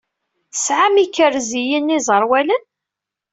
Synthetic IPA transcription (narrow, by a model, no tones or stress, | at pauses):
sʕamikːəɾzijənːizˤəɾˤwælən